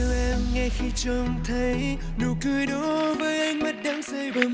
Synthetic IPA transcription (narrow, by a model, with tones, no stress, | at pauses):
la˧˩mŋa˧˩jxi˧t͡ɕə˧ŋ͡mt̪ʰə˨˦j | nu˨˩kɨ˧əjɗɔ˨˦vəː˨˦jʔa˧jŋ̟mə˦˥t̚ɗaː˨˧˦ŋsə˧jɓə˨˦